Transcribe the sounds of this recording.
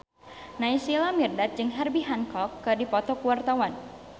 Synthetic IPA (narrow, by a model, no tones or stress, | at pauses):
naisilamirdat̪̚d͡ʒɨŋɦɛrbiɦankɔkːɨdipɔt̪ɔkuwart̪awan